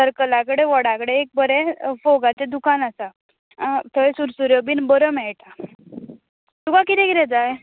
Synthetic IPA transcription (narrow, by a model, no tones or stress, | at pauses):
səɾkəlakəɽeʋɔɽãkəɽeːk̚bəɾɛfoɡat͡sed̪ukanasa | t̪ʰəesuɾsuɾjɔbiːnbəɾəmɛʈa | t̪ukakit̪ɛkiɾɛd͡zaj